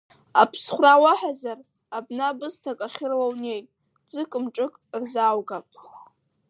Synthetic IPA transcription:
apʰsχʷrawaħazar | abnabɨstʰakʼaχʲɪrlawne̞jtʼ | d͡zɨkʼɨmʈ͡ʂʼɨkʼrzawɡapʼ

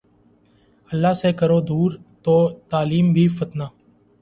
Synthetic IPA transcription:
əlːaːseːkəɾoːd̪uːɾt̪oːt̪aːliːmbʱiːfət̪naː

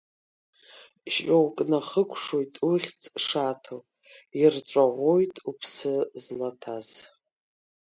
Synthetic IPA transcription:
ʃowkʼnaχəkʷʰʂojtʼuχʲt͡sʼʂatʰo | irʈ͡ʂʷʼaʁʷojtʼupʰsɨzlatʰaz̥

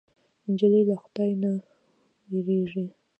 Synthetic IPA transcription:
ɲd͡ʒalilaxd̪ajna | jiɾeʐi

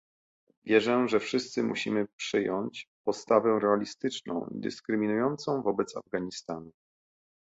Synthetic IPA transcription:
vʲjɛʐɛʐɛfʂɘst̪sɘmṵɕimɘpʂɘjɔɲt͡ɕpɔt̪st̪avɛɾɛalʲist̪ɘt͡ʂnɔ̰̃w̃ḭd̪ɘ̰skɾɘmʲinujɔnt̪sɔ̃w̃vɔbɛt̪sa̰vɡaɲist̪anu

